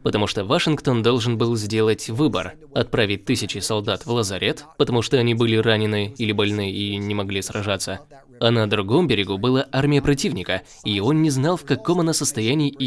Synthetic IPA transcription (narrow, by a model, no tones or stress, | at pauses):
pət̪ɐmuʂt̪ovɐʂɨnkt̪o̞nd̪o̞lˠʐɨnbɨlˠzʲdʲe̞lˠətʲvɨbə̰r | ɐt̪̚pɾavʲɪt̚ʲt̪ːɨsʲɪt͡ɕɪsɐlˠd̪at̪vlˠəzɐɾʲʔet̪pət̪ɐmuʂt̪oɐnʲibɨlʲɪranʲɪnɨilʲɪbɐlʲnɨinʲɪmɐɡlʲisrɐʐat̪sə | ɐnəd̪ɾʊɡo̞mbʲɪɾʲɪɡubɨlˠaʔarmʲɪjəpɾɐt̬ʲivnʲɪkə | io̞nːʲɪznɑlˠfkɐko̞mɐnasəst̪ɐjænʲiː